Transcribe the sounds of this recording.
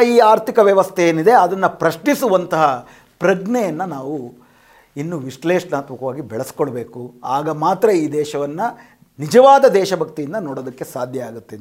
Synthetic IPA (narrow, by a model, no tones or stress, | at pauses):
iːaːɾt̪ʰikɐʋjɐʋɐst̪ʰejeːnid̪e̞ɐd̪ɐnːɐpɾɐʃɳisuʋɐnt̪ɐɦɐ | pɾɐɡɳɛjɐnːɐnaːʋu | inːuʋiʂleːʂnaːt̪mɐkɐʋaːɡibɛɭɐskoɭbe̞ːkuaːɡɐmaːt̪ɾɐiːd̪ɛːʃɐʋɐnːɐ | nid͡ʒɐʋaːd̪ɐd̪ɛːʃɐbʱɐkt̪ijind̪ɐnoːɽoːd̪ɐkːe̞saːd̪ʱjɐaːɡut̪ːe